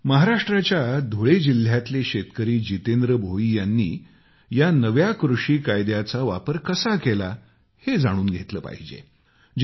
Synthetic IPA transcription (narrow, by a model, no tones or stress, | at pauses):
məɦaɾaʂʈɾat͡ɕjad̪ʱoɭed͡ʑil̤jat̪leɕet̪kəɾiːd͡ʑit̪end̪ɾəbʱoiːjanːḭː | janəʋjakɾuʂiːkajd̪jat͡saʋapəɾkəsakela | hed͡zaɽ̃uːnɡʱet̪ləːpa̰ɦid͡ʑḛ